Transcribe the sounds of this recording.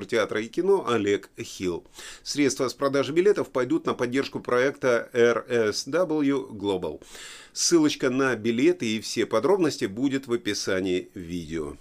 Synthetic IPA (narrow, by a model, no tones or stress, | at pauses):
rtʲɪat̪ɾəɪkʲɪno̞ʔɐlʲe̞kxʲilˠsɾʲet̪st̪vəspɾɐd̪aʐɨbʲɪlʲe̞t̪əfpɐjd̪ut̪nəpɐdʲːe̞rʂkʊpɾɐɛkt̪əɛrɛsd̪abəlˠjuɡlˠobə̰lˠsːɨlˠət͡ɕkənəbʲɪlʲe̞t̪ɨːfsʲe̞pɐd̪ɾo̞bnəsʲtʲɪbudʲɪt̪vəpʲɪsanʲɪɪvʲidʲɪo̰